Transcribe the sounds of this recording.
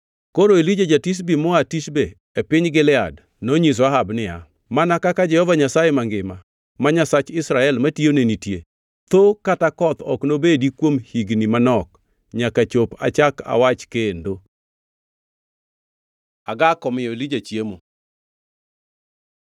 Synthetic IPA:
koɾoelid͡ʒad͡ʒatis̬bimɔatiʃbeː | pɪɲɡɪlɪad | noɲis̬oaɦabnɪa̰ | manakakad͡ʒɛhɔvaɲasajemaŋɡɪma | maɲasat͡ʃɪsɾaɛlmationenitje | t̪okatakɔt̪ɔ̰knobedikwomhiɡnimanɔk | ɲakat͡ʃopa̰t͡ʃaka̰wat͡ʃkendo | aɡakɔmɪjɔelid͡ʒat͡ʃjemo

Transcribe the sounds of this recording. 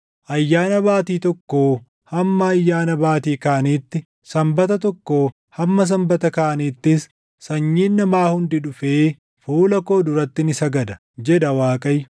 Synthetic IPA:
ʔɐjːaːnɐbaːt̪iːt̪ɔkːoː | hɐmːɐːjːaːnɐbaːt̪iːkaːɐniːt̪ːɪ | sɐmbɐt̪ɐt̪ɔkːoː | hɐmːɐs̬ɐmbɐt̪ɐkaːʔɐniːt̪ːɪs | sɐɲːiːnːɐmaːhʊnd̪ɪᶑʊfeː | fuːlɐko̞ːd̪ʊɾɐt̪ːɪnɪsɐɡɐd̪ɐ̥ | d͡ʒɛd̪ɐwaːkʼɐjʊ̥

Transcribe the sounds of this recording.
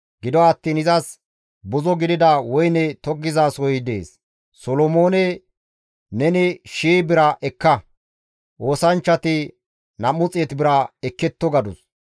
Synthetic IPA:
ɡɪd̪ɔːt̪ːiːnɪzɐs | bɔzɔɡɪd̪ɪd̪ɐwɔjnɛt̪ɔɡːɪzaːsɔjɪd̪e̞̰ːsː | ɔlɔmoːnɛ | nɛnɪʃiːbɪɾɐʔɛkːɐ | ʔo̞ːsɐnt͡ʃːɐt̪ɪ | nɐmʊt͡sʼet̪bɪɾɐɛkːɛt̪ːɔɡɐd̪ʊs

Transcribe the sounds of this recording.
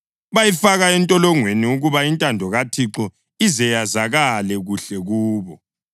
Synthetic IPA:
βajifaɣaɛntʼɔlɔŋweniuɣuβaintʼandʱɔɣatʰiǁɔ | izɛjazaɣalɛɣuɬɛɣuːβɔ

